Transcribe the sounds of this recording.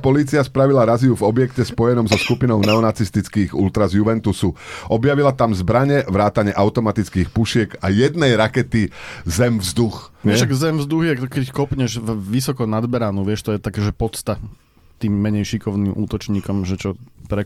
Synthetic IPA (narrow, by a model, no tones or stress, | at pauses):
pɔliːt͡siaspɾaʋilaɾaziuvɔbjɛkcɛspɔjɛnɔmzɔskupinɔʊnɛɔnat͡sist̪it͡skiːɣult̪ɾazjuʋɛnt̪usuʔɔbjaʋilat̪amzbɾaɲɛʋɾaːt̪aɲɪɛʔaʊt̪ɔmat̪it͡skiːxpuʃɪɛɡajɛd̪nɛjɾakɛt̪izɛmvzd̪uxɛʃaɡzɛmvzd̪uɣjɛkɛckɔpɲɛʒvʋisɔkɔnad̪bɛɾaːnuʋɪɛʃt̪ɔjɛt̪akɛːʒɛpɔt͡st̪a | t̪iːmːɛɲɛjʃikɔʊniːmṵːt̪ɔt͡ʃɲiːkɔmʒɛt͡ʃɔpɾɛ